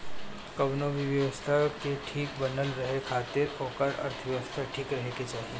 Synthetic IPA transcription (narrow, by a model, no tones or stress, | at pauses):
kɐʋnoʋiʋjɐʋəst̪ʰakeʈʰiːkbɐnəlɾɐɦekʰaːt̪ɪɾoːkəɾɐ̰ɾt̪ʰəʋjɐʋəst̪ʰaʈʰiːkɾɐɦeket͡ʃaːɦie